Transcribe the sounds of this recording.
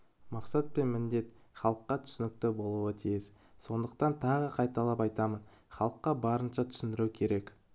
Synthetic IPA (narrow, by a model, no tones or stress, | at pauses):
mɑqsɑt̪̚pe̞nmɪnd̪e̞t̪χɑlˠəqːɑt̪ʰʏ̥sɪnɪk̚t̪ɪbo̞lˠuət̪ʰijɪs | so̞nd̪əqt̪ɑnt̪ʰɑʁəqʰɑjt̪ɑlˠɑpɑjt̪ɑmən | χɑlˠəqːɑbɑɾənʃɑt̪ʰʏ̥sɪnd̪ɪɾukʲʰe̞ɾe̞k